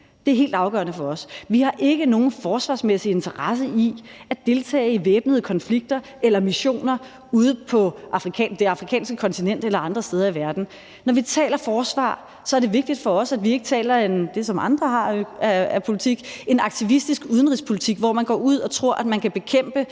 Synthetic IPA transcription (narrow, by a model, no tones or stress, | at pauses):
d̥e̝æɐɦe̝̰ːld̥ɑ̈ʊɡ̥ɶ̰ɐnəfɒ̽ɒ̽sʋihɑ̈ʔe̝ɡ̥əno̝ːn̩fɒːsʋɑ̈smesie̝nt͡sʰɐʁɑs̬əiæd̥e̝lt͡sʰɛ̰ːɪiʋeːb̥nəð̞̩ˠkʰɒ̽nfliɡ̥̚d̥ɐ | elɐmiɕo̝̰ːnɐ | uð̞ˠəpʰɒ̽ʔɑ̈fʁikʰɛ̰ːd̥eɑ̈fʁikʰɛ̰ːnsɡ̥əkʰɒ̽nt͡sʰinen̰d̥elɐɑ̈nd̥ʁɐsd̥eːð̞ˠɐiʋæɐd̥n̩ | nɒʋit͡sʰɛ̰ːlɐfɒːsʋɑ̰̈ː | sɒɐɾ̥e̝ʋe̝ɡ̥̚d̥id̥fɒ̽ɒ̽sæd̥ʋie̝ɡ̥ət͡sʰɛ̰ːlɐend̥e̝sɒ̽mʔɑ̈nd̥ʁɐɦɑ̈æpʰo̝lit͡sʰiɡ̥e̝nɑ̈ɡ̥̚t͡sʰiʋisd̥isɡ̥uðˠən̩ʁispʰo̝lit͡sʰiɡ̥ʋɒmænɡ̥ɒ̰ːuð̞̰ˠɒ̽t͡sʰʁo̝ɐ̰ʔæd̥mænkʰæb̥e̝kʰem̰b̥ə